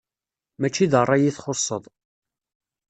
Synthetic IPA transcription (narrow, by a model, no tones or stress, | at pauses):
mæt͡ʃːiðərˤːɑjiθχoɾsˤəðˤ